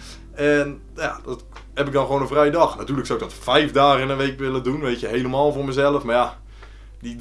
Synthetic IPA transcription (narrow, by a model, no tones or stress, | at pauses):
ɛn | jadɔt | hɛpɪk̚dɔnxʋoːnəvrɛjdɔxnatyːələksawɪk̚dɔtfɛjfdaːɣəɪnənʋejkʋɪlˠədunʋejtjəɦejləmaːlˠfoːrməzɛlˠəfmaja | di